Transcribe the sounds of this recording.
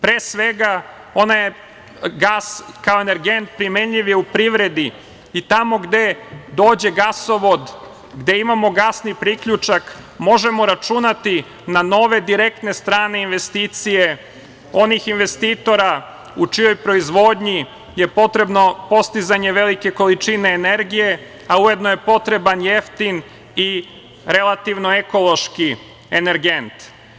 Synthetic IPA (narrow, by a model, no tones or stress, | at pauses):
pɾeːsʋe̞ɡa | o̞naje | ɡaskaoene̞ɾɡe̞nt̪̚pɾimenʎiʋjeupɾiʋɾe̞d̪i | it̪amo̞ɡd̪e̞d̪o̞ːd͡ʑe̞ɡasoʋo̞d̪ | ɡd̪e̞imamo̞ɡasnipɾikʎut͡ʃak | mo̞ʒe̞mo̞ɾat͡ʃunat̪i | nano̞ʋe̞d̪iɾe̞k̚t̪ne̞st̪ɾaːne̞inʋe̞st̪iːt̪sije̞ | o̞nixinʋe̞st̪iːt̪o̞ɾa | ut͡ʃijo̞jpɾo̞izʋo̞d̪ɲi | je̞po̞t̪ɾe̞bno̞po̞st̪izaɲe̞ʋe̞like̞ko̞lit͡ʃine̞ːne̞ɾɡije̞ | auje̞d̪noje̞po̞t̪ɾe̞banje̞ft̪in | i | ɾe̞lˠat̪iʋno̞eko̞lˠo̞ʃki | eneɾɡe̞nt̪